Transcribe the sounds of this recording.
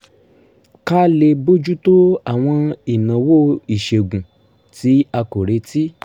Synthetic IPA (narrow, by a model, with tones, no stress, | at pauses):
ka˦le˧bo˦d͡ʒu˦to˦a˨w̃ɔ̃˧i˨nã˨wo˦i˨ʃe˨ɡũ˨ | ti˨˦a˧ko˨ɾe˧˦ti˦